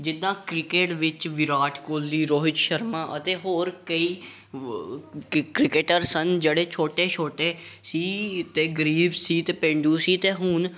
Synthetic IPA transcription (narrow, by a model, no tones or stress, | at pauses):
d͡ʒɪd̪ãːkɾɪkeːʈʋɪt͡ʃʋɪɾaːʈʰkoːlːiːɾoːɦɪt͡ʃʃəɾmãːʔət̪eːɦoːɾkəiː | kɾɪkeʈəɾsənd͡ʒeːɽeːt͡ʃʰoːʈeːt͡ʃʰoːʈeːsiːt̪eːɡəɾiːbsiːt̪eːpẽːɳɖuːsiːt̪eːɦʊːn